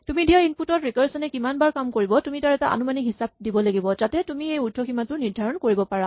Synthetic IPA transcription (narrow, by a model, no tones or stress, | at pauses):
tumidijainputɔtɹikɔɹsɔnɛkimanbaɹkamkoɹibɔtumitaɹɛtaʔa̰numanikɦisab̚dibɔlaɡibɔzatɛtumiejudʰʱɔximatʊniɹdʱaɹɔnkoɹibɔpaɹa